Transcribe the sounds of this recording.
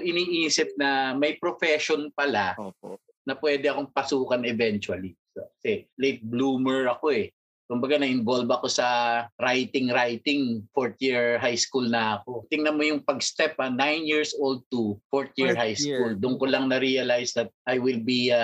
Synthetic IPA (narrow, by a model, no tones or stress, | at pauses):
ʔɪniːʔiːsɪp̚nɐmɐjpɾofɛʃonpɐla | nɐpwɛːd̪ɛɐkoŋpɐsuːkɐnɛvɛnt͡ʃwɐlisɐkɐsɛlejt̪̚bluːmɛɹɐko̞ɛ | kʊmbɐɡanɐʔɪnvolbɐko̞sɐɾajt̪ɪŋɾajt̪ɪŋfoɹt̪jiɹɦajskulnɐɐko̞t̪ɪŋnɐmo̞jʊŋpɐɡst̪ɛp̚ɐnajnjiɹsʔold̪̚t̪ufoɹt̪̚jiɹɦajskuld̪ʊŋkolɐŋnɐɾiɐlajsd̪ɐt̪̚ʔajwɪlbi